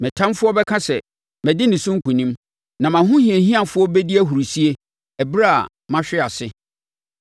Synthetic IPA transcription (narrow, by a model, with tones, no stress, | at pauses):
mɪ̃˨tʰã˦mfʊ˦ɔ˦bɛ˦kʰã˦sɛ˨ | mɛ̃˨dɪ˦nɪ̃˨sʊ̃˦ŋ̩˦kʰũ˨nĩ˦m | nã˨mã˨ɦʊ̃˦hĩ˨e˨ɦĩ˦ã˨fʊ˦ɔ˦bɛ˦di˦æ˦ɦu˨ɾi˨si˦e˦ | æ˨bɾa˦a̰˨ | mã˦ɕᶣɪ˦a˨sɪ˦